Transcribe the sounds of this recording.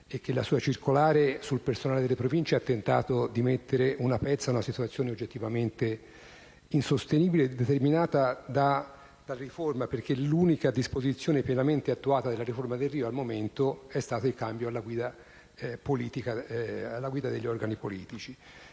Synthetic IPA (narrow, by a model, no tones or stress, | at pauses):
ekːelːasuːat͡ʃirkolaːɾesulpersonaːled̪elːepɾovint͡ʃeat̪ːent̪a̰ːt̪od̪imet̪ːeɾeʔunapɛt̪sːaunasit̪uat̪sːjoːneod͡ʒːet̪ːivament̪e | insost̪eniːbiled̪ːet̪erminaːt̪ad̪a | d̪̥alriformaperkeluːnikad̪ispozit̪sːjoːnepjɛnament̪eat̪ːuaːt̪ad̪elːaɾiformad̪erːiːoalmoment̪oɛst̪aːt̪oilkambjoalːaɡwiːd̪a | poliːt̪ikaalːaɡwiːd̪ad̪eʎːɔrɡanipolḭːt̪it͡ʃi